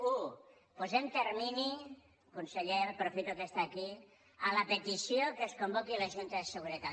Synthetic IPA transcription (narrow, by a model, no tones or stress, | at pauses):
u | puzemt̪əɾmini | kunsəʎeɾpɾofit̪ukest̪aːki | ələpət̪isiokəskumbokilɐʒunt̪əðəsəɣuɾət̪a